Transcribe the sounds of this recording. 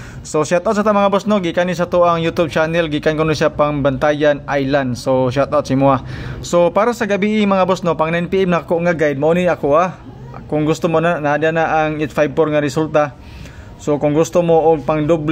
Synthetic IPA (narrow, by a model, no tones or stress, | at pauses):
soʃat̪awt̪sat̪amaŋabosnoɡɪʔkanis̬at̪oʔaŋjut̪ʊb̚t͡ʃanɛlɡɪʔkankonosapaŋbant̪ajanʔajland̪soʃ̬at̪awt̪simʊasopaːɾasaɡabiʔɪmɐŋabosnopaŋnaɛnpiʔɛmnakoʔŋaɡajd̪̚maʔoniakoʔa | kʊŋɡʊst̪omonanaʔadanaʔaŋɪt̪fajb̚poɾŋaɾɪsult̪a | sokʊŋɡʊst̪omoʔʊɡ̚paŋd̪obl